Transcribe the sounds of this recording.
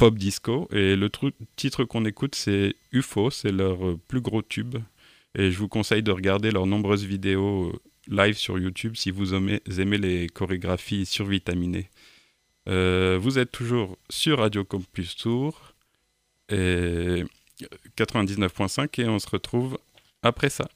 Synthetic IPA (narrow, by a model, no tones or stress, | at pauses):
pɔp̚d̪iskoelət̪ut̪it̪χəkɔ̃nekut̪sɛyfosɛlœʁplyɡʁot̪ʰyb | eʒəvukɔ̃sɛjd̪əʁəɡaʁd̪elœʁnɔ̃bʁøzvid̪eo | lajvsy̰ʁjut̪ʰybsivumezemelekɔʁeɡʁafisyʁvit̪amine | øvuzɛt̪ːuʒuːʁsyʁːad̪jokɑ̃pyst̪uʁ | e | kat̪χəvɛ̃d̪iznəfpwɛ̃sɛ̃keɔ̃səʁət̪χuv | apχɛsa̰